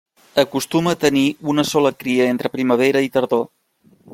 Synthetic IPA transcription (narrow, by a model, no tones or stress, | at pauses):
əkust̪uməːt̪əniunəsɔləkɾiəent̪ɾəpɾiməβ̞eɾəit̪əɾðo